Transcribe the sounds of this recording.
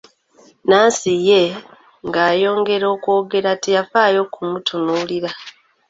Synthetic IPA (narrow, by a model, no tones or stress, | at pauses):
naːsije̞ | ŋɡaːjo̞ːŋɡe̞ɾo̞ːkwo̞ːɡe̞ɾatijafaːjo̞kumutʰunuːliɾa